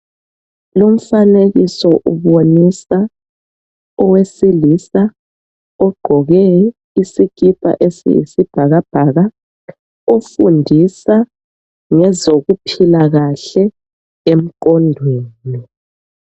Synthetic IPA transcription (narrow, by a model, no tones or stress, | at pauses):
lom̩faneɣisɔʔuβonisa | ɔwesilisa | ɔɡ͡ǃ̥ʱɔɣɛ | isik̬ʼipʼa̰ʔesḭḭsib̥ʱaɣab̥ʱaɣa | ofundʱisa | ŋɛzoɣupʰilaɣaɬɛ | em̩k̬ʼɔndʱweːni